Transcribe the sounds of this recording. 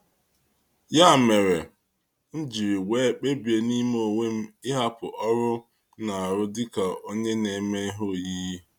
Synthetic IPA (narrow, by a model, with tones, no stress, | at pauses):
ja˦˨me˨ɾe˨ | n̩˦d͡ʒi˨ɾi˨weː˦k͡pe˦bi˨e˨ni˦m˦o˨ŋe˦m̩˦ɪ˦ɦa˦pʊ̰˨ʔɔ˦ɾʊ˦ | na˨a˨ɾʊ˦dɪ˦ka˨o˦ɲe˦ne˨me˦ɦʊ˦ji˦ji˦